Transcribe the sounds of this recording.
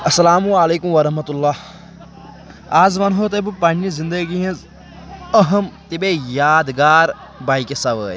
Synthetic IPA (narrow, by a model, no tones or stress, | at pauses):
ɐsɐlaːmuaːleːkʊmʋɐɾɐɦmɐt̪ʊlːaː | aːzmɐnɦot̪̬ebpaɳĩzɪ̃nd̪əɡiɐ̃ | əɦəmt̪ebeːjaːd̪ɡaːɾ | baːikesɐʋəː